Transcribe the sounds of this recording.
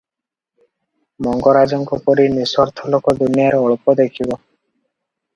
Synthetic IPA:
mɔŋɡɔɾad͡ʒɔŋkɔpɔɾiniswɔɾt̪ʰɔlɔkɔd̪unijaɾɔɭpɔd̪ekʰibɔ

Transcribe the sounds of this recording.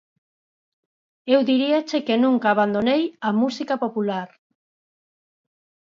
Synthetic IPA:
ewðiɾiat͡ʃekenũŋkaːβand̪onejamusikapopulaɾ

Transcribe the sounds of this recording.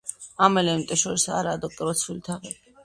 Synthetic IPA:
amɛlɛimt̪ʼɛʃɔɾisa̰ɾaːd̪ɔkʼiɾɔsʰulit̪ʰaʁɛ

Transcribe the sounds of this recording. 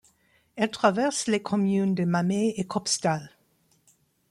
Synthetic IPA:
ɛlt̪χavɛʁslekʰɔmjyːnd̪əmameekʰɔpst̪al

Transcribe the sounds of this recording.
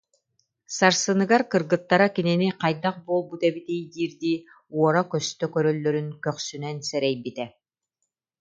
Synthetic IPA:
saɾsɯnɯɡaɾkɯɾɡɯt̪ːaɾakininiqɑjd̪aq̚buɔlˠbut̪ɛbit̪ijd̪iːɾd̪iː | uɔɾakœst̪œkœɾœlːœɾynkœχsynɛnsɛɾɛjbit̪ɛ

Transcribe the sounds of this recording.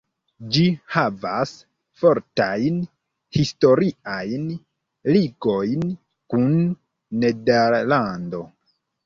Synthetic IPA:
d͡ʒihavas | fo̞ɾtajn | histo̞ɾiajn | liɡo̞jn | kunː | e̞deɾlando̞

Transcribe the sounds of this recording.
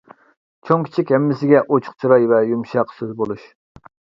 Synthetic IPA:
t͡ʃʰoŋkʲʰi̥t͡ʃʰikʲhɛmːɪsɪɡʲɛʔot͡ʃʰʊ̥χt͡ʃʰiɾɛjvɛjumʃɑqsøzbolˠuʃ

